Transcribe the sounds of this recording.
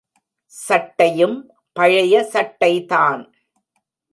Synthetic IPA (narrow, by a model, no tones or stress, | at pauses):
sɐʈːɐjɯm | pɐɻɐjɐsɐʈːɐɪt̪aːn